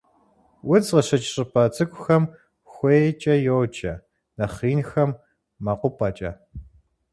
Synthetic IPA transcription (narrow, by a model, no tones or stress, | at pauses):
wʊd͡zʁɐɕɐt͡ʃʼɕʼɪpʰɐt͡sʼɨkʷʼʊxɐm | xʷeːt͡ʃʼɐjowt͡ʃʰʼɐ | nɐχiːnxɐmː | ɐqʷʊpʰʼɐt͡ʃʼɐ